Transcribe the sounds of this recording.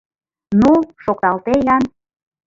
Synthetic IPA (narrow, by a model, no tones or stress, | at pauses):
nuʃok̚t̪ɑlt̪ejɑn